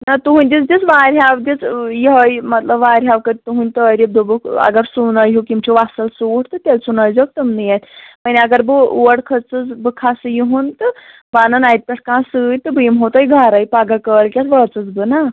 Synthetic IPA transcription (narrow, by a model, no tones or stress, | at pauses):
nat̪uɦunʲd̪ʲit͡sd̪ʲit͡sʋaɾʲɦjaʋd̪ʲit͡sjiɦəjmɐt̪ləbʋaːɾʲɦaʋkəd̪it̪uɦunʲt̪əɾʲib̚d̪ubɨkɐ̰ɡəɾsunəjɦukʲimt͡ɕʰiʋasəlsuːʈt̪ɨt̪ʲelsunajd͡zək̚t̪əmnɨjat̪paniaɡəɾbɨʋəɽkʰət͡sɨt͡sbɨkʰasɨjiɦunt̪ɨ | banənajt̪̚pʲɛʈʰkãːsɨjt̪ɨbɨmɦot̪ajɡʱaɾajpaɡakəlkʲat͡sʋət͡sɨt͡sbɨna